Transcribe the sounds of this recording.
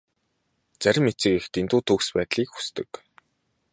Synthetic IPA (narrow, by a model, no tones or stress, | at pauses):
t͡sæɾʲɪ̆mːet͡sɘ̆kext̪ent̪uːt̪ʰuːkspæːt̪ɮiːkxu̥st̪ɘ̆k